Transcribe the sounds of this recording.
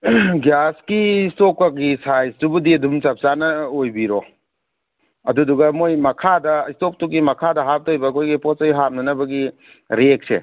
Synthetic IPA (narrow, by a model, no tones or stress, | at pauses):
ɡjaskistokak̚ɡisajsdubudiɐdumt͡ʃap̚sanɐojbiɾɔ | ɐduduɡɐmojmɐkʰadɐistop̚tuk̚ːimɐkʰadɐɦap̚tojbɐːkʰojɡiposɐjɦat̚nɐnɐbɐɡi | ɾek̚sḛ